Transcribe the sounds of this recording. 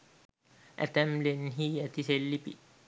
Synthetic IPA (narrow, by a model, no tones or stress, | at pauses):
ʔɛ̰t̪ɛmlenɦiɛt̪iselːipḭ